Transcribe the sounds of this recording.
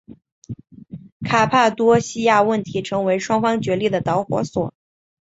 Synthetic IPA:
kʰa˨˩pʰa˥˩t̪wɔ˥ɕi˥ja˥˧wə˥˩nt̪ʰi˧˥ʈ͡ʂʰɤ˧˥ŋwe˧˥ɪʂwɑ˥ŋfɑ˥ŋt͡ɕɥɛ˧˥li˥˩d̪ə˩t̪ɑ˧˥ʊxwɔ̰˧˥swɔ˨˩˦

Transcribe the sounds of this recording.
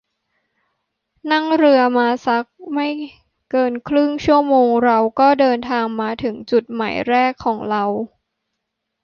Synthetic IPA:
na˥˩ŋɾɯ˧ɐmaː˧sa˦˥k̚ma˥˩j | kɤː˧nkʰɾɯ˥˩ŋt͡ɕʰu˥˩əmoː˧ŋɾa˧wkɔː˥˩dɤː˧nt̪ʰaː˧ŋmaː˧t̪ʰɯ˩˦ŋt͡ɕu˨˩t̪̚ma̰˩˦jɾɛː˥˩kʰːɔː˩˦ŋɾa˧w

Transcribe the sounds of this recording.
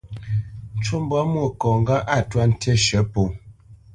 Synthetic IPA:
n̩˨˦t͡ʃo˦m˦bwa˦mwo˦˨kɔ˨ŋ˦ɡa˦ʔa˦˨twa˦n̩˦tʰɛ˦ʃə˨˦po˨

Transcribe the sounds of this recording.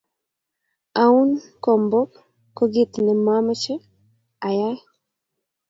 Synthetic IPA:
a˨u˦nkɔ˨mbɔ˦p | koɡi˦t̪nɛ˨ma˦m˦t͡ʃɛ˦ | a˨ja˦j

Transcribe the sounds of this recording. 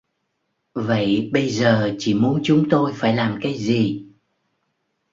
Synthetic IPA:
və̰˧˨jɓə˧jzəː˨˩t͡ɕi˧˩mu˨˦ənt͡ɕʊ˨˦ŋ͡mt̪o˧jfaː˧˩jlaː˨˩mkaː˨˦jzi˨˩

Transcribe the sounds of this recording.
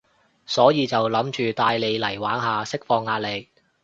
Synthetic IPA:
sɔː˨˥jiː˨˧t͡sɐ˨wlɐ˨˥mt͡ʃyː˨t̪aː˧jle˨˧jlɐ˨˩jwaː˨˥nɦaː˨sɪ˥k̚fɔː˧ŋːaː˧t̚le˨k̚

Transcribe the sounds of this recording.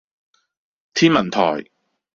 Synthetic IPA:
t̪ʰiː˥nmɐ˨˩nt̪ʰɔ̰ː˨˩j

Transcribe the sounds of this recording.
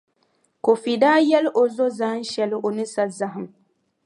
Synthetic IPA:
ko˨fi˨daː˦jɛ˦lʔo˨zo˦za˦n̩˦ʃɛ˨lɪ˦ʔo˨nɨ˦sa˦za˦ɦɨ˨m

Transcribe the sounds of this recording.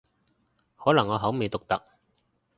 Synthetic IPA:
hɔː˨˥lɐ˨˩ŋːɔː˨˧ɦɐ˨˥wme˨˧jt̪ʊ˨k̚t̪ɐ˨k̚

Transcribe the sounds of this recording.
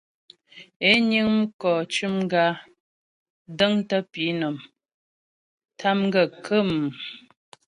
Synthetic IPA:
e˦ɲɨ˦ŋm̩˦kɔː˨t͡ʃʉ˦m˦ɡa˦ | də˦ŋtə˦pi˨˦nɔ˨m | tʰa˦mɡə˦˨kʰə˦˨m˨

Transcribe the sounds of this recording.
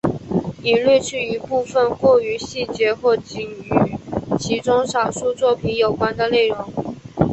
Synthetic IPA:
i˨˩nly˥˧t͡ɕʰy˥˩i˧˥pu˥˩fə˧nkwɔ˥˩y˧˥ɕi˥˩t͡ɕjɛ˧˥xwɔ˥˩t͡ɕi˨˩ŋy˨˩t͡ɕʰi˧˥ʈ͡ʂʊ˥ŋʂɑ˨˩ʊʂu˥˧t͡swɔ˥˩pʰi˧˥njo˨˩ʊkwa˥nd̪ə˨le˥˩ɪɻʊ˧˥ŋ

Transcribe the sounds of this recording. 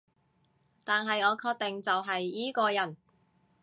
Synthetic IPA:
t̪aː˨nɦɐ˨jŋɔː˨˧kʰɔː˧k̚t̪ɪ˨ŋt͡sɐ˨wɦɐ˨jːiː˨˥kɔː˧jɐ˨˩n

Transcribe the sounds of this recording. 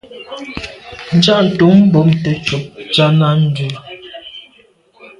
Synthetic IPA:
n̩˨˦d͡ʒa˦ʔn̩˨tu˨˦mm̩˦bɔ˨˦mte˨t͡ʃu˨p̚t͡ʃa˦na˦n̩˦du˨

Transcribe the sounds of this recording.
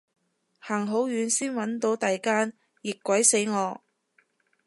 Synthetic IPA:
haː˨˩ŋɦo˨˥wjyː˨˧˥nsiː˥nwɐ˨˥nt̪o˨˧wt̪aː˨jkaː˥n | jɪ˨kːʷɐ˨˥jse˨˥jŋɔː˨˧

